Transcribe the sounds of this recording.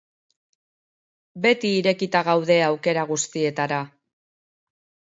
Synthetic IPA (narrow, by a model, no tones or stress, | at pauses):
be̞t̪iːɾe̞kit̪aɣawðe̞awke̞ɾaɣ̞ust̪ie̞t̪aɾa